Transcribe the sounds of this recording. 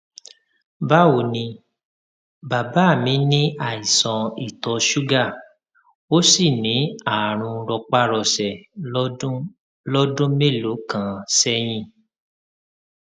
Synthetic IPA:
ba˦o˨nĩ˧ | ba˨ba˨˦˨mĩ˧˦nĩ˦ʔa˨i˨sɔ̃˧i˦˨tɔ˧ʃu˦ɡa˦˨ | o˦si˦˨nĩ˨˦a˦˨ɾ̃ũ˧ɾɔ˧k͡pa˦ɾɔ˧˨sɛ̃˨˦ | lɔ˦dũ˦me˦˨lo˨˦kã˨sɛ˦j̃ĩ˧˨

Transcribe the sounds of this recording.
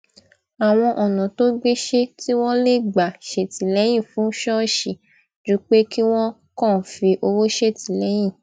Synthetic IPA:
a˨w̃ɔ̃˧ʔɔ˨nɔ̃˨to˦ɡ͡be˦ʃe˦ti˦w̃ɔ̃˦le˦˨ɡ͡ba˨ʃe˨ti˨lɛ˨˦j̃ĩ˦˨fũ˨˦ʃɔ˦ʃi˨ | d͡ʒu˦k͡pe˦ki˦w̃ɔ̃˦ | kɔ̃˦˨fi˧ʔo˧wo˦ʃe˦˨ti˨lɛ˨˦j̃ĩ˦˨

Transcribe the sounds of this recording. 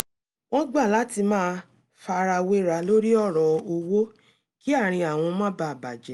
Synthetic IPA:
w̃ɔ̃˦ɡ͡ba˦˨la˨˦ti˧mãː˦˧ | fa˧ɾa˧we˦ɾa˧lo˦ɾi˦ɔ˦˨ɾɔ˨o˧wo˦ | ki˦a˦˨ɾ̃ĩ˧a˨w̃ɔ̃˧mã˦ba˧˨ba˨d͡ʒɛ˨˦

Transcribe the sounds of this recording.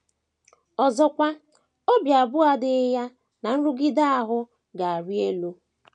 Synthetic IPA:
ɔ˨zɔ˦kʷa˦ | o˦bja˨a˨bʊ˦a˦dɪ˨˦ja˦ | na˨n̩˦ɾʊ˦ɡɪ˦da˦a˨ɦʊ˦ | ɡa˨a˨ɾi˦e˦lo˦

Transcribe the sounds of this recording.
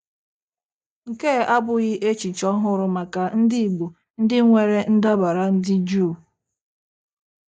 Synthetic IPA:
ŋ̩˨ke˦˨a˦bʊ˦ɣɪ˦ʔe˦t͡ʃi˨t͡ʃɔ˦ɦʊ˦ɾʊ˨ma˨ka˨n̩˦dɪ˦i˨ɡ͡bu˨ | n̩˦dɪ˦ŋʷe˨ɾe˦n̩˦da˦ba˨ɾa˨n̩˦dɪ˦d͡ʒu˦˨

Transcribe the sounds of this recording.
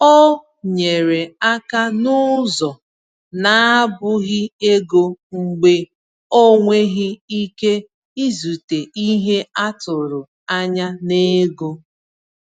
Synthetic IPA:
ɔ˦ | ɲe˨ɾe˨a˦ka˦nʊ˦zɔ˨ | na˨a˦bʊ˦ɣɪ˦e˦ɡo˦ŋ͡m̩˦ɡ͡be˦ | o˦ŋʷe˦ɣɪ˦i˦ke˦ | i˦zu˨te˨i˦ɦe˦a˦tʊ˨ɾʊ˨ | a˦ɲa˦ne˦ɡo˦

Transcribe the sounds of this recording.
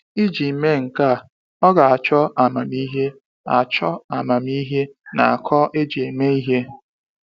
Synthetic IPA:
i˦d͡ʒi˨me˦ŋ̩˨ka˦˨ | ɔ˦ɡa˨a˨t͡ʃɔ˦a˨ma˨mi˦ɦe˦ | a̰˨t͡ʃɔ˦a˨ma˨m˦i˦ɦe˦na̰˨a˨kʰɔ˦ʔe˦d͡ʒi˨e˨me˦i˦ɦe˦

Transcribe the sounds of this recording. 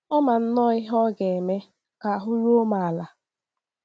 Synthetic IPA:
ɔ˦ma˨n̩˦nɔ˦ɪ˦ɦɔ˦ɡe˨me˦ | ka˨ɦʊ˦ɾu˦o˦ma˨a˨la˨

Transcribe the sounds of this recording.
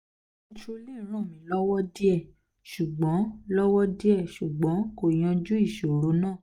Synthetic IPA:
ĩ˦˧ʃu˧li˦˨˦ɾ̃ã˦˨mĩ˨˦lɔ˦wɔ˦di˦ɛ˦˨ | ʃu˨ɡ͡bɔ̃˨˦lɔ˦wɔ˦di˦ɛ˦˨ʃu˨ɡ͡bɔ̃˨˦ko˦˨j̃ɔ̃˧d͡ʒu˦i˦˨ʃo˨ɾo˨˦nãː˦˨

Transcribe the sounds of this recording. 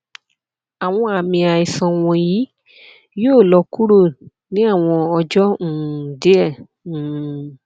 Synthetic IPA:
a˨w̃ɔ̃˧a˨mĩ˧a˨i˨sã˧w̃ɔ̃˧ji˨˦ | joː˦˨lɔ˧ku˦ɾo˦˨ | nĩ˦a˦˨w̃ɔ̃˧ɔ˧d͡ʒɔ̃˦˨de˨˦ɛ˦˨

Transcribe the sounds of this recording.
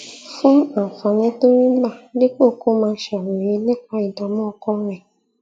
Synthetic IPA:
fũ˦a˨fã˨nĩ˨˦to˦ɾĩ˦la˦˨le˦ko˦˨ko˦mãː˧˦ʃɛ˨we˨je˧˦lɛ˦˨k͡pa˧i˨da˨mɔ̃˦ɔ˧kɔ˦ɾ̃ɛ̃˨

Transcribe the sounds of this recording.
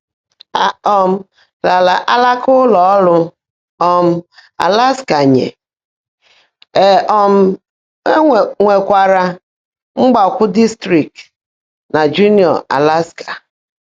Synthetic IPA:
a˦ɔ˦m̩˦ | la˨la˨ʔa˦la˦kʊ˦lɔ˨ɔ˦lʊ˦ | ɔ˦m̩˦a̰˨la˦ska˨ɲḛ˨ | ɔ˦m̩˦˨ | ŋʷe˨kʷa˨ɾa˨ | ŋ͡m̩˦ɡ͡ba˨kʷʊ˦di˦stɾi˨kt | na˨d͡ʒu˦ni˦ɔ̰˨a̰˨la˦skḁ˨

